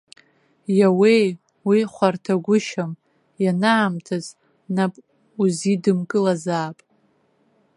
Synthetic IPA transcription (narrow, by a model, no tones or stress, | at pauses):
jawej | wiχʷartʰaɡʷʊʃam | janaːmtʰaz | napʼ | uzidɨmkʼɨlazaːpʼ